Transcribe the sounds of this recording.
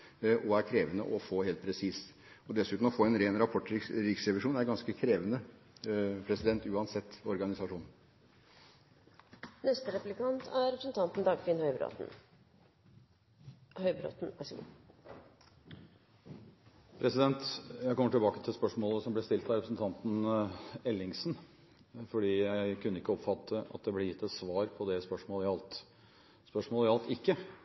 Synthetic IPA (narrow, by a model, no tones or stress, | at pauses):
ʔɔæɾkʰɾeːʋənə̰ʔɔfoːheːlt̪̚pʰɾɛsiːs | ɔd̪ɛsʉːt̪nm̩ɔfoːɛnɾeːnɾɑpʰɔʈːɾɪksɾɛʋɪʂuːnæɾɡɑnskəkʰɾeːʋənə | pʰɾɛsɪd̪ɛnt̪ʉːɑnsɛt̪ːɔɾɡɑnɪsɑʂuːnn̩ | nɛst̪əɾɛplɪkɑnt̪ʰæɾɾɛpɾsnt̪ʰɑnt̪nd̪ɑɡʋɪnhœ̰ | hœʏbɾo̰t̪næsɡ̰ | pʰɾɛsɪd̪ɛnt̪jæɪkʰɔməʈɪlbɑːkət̪ʰɪlspœʂmoːləsɔmblɛst̪ɪlt̪hæɾɛpɾsn̩t̪ʰɑnt̪n | ɛlːɪŋsn | fɔɖiːjæɪɪkʉnːəɪkːəɔpfɑt̪ʰːəʔɑ̰t̪̚d̪ɛblɛɾjɪt̪ːɛt̪sʋɑːɾpʰɔd̪ɛspœʂmoːləɪɑlt̪ | spœʂmoːləɪɑlt̪ɪkːə